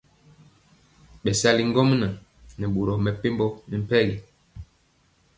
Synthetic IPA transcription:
ɓɛ˨sa˦li˦ŋ˦ɡɔ˦m˦na˨ | nɛ˨ɓo˨ɾɔ˨mɛ˨pe˦mbɔ˦nɛ˨m̩˦pɛ˦ɡi˨

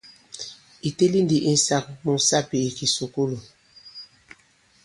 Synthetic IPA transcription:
i˨te˦li˦ndi˨ʔi˦n˦sa˦k̚mu˨sa˦pi˨i˨ki˨so˨ko˦lo˨

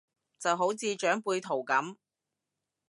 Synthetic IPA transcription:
t͡sɐ˨wɦo˨˥wt͡siː˧t͡ʃœː˨˥ŋpuː˧jt̪ʰo˨˩wkɐ˨˥m

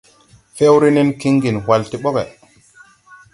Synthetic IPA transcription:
fe˦wɾi˦ni˦nki˦ŋɡi˨nwa˨lti˦ɓo˦ke˨

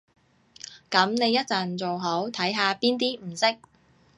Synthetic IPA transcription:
kɐ˨˥mne˨˧jːɐ˥t̚t͡sɐ˨nt͡so˨wɦo˨˥wt̪ʰɐ˨˥jɦaː˨˧piː˥nt̪iː˥m̩˨˩sɪ˥k̚

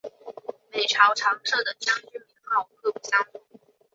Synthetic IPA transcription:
me˨˩ɪʈ͡ʂʰɑ˧˥ʊʈ͡ʂʰɑ˧˥ŋʈ͡ʂʰɤ˥˩d̪ə˩t͡ɕjɑ˥ŋt͡ɕy˥˩mi˧˥ŋxɑ˥˩ʊ˧kʰɤ˥˩pu˧˥˩ɕɑ˥ŋ˥˩

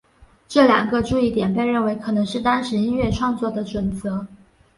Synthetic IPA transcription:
ʈ͡ʂɤ˥˩ljɑ̰˨˩ŋɡə˦ʈ͡ʂu˥˧i˥˩t̪jɛ˨˩npe˥˧ɪɻə˥˩nwe˧˥ɪkʰɤ˨˩nɤ˧˥ŋʂɻ̩˥˩t̪ɑ˥ŋʂɻ̩˧˥i˥nɥɛ˥˧ʈ͡ʂʰwɑ˥˧ŋt͡swɔ˥˩d̪ə˩ʈ͡ʂwə˨˩nt͡sɤ˧˥

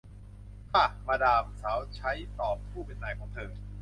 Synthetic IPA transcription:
kʰa˥˩maː˧daː˧msaː˩˦wt͡ɕʰa˦˥jt̪ɔː˨˩p̚pʰːuː˥˩pe˨˧nːaː˧jkʰɔː˩˦ŋt̪ʰɤː˧

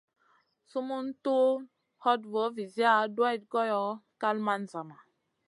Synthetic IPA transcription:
su˦mu˦ntu˦ | hɔ˦dvo˨˦vi˨zi˦a˦dwa˦i˨t̚ɡɔ˦jɔ˨˦ka˦lma˦n˨za˨ma˨

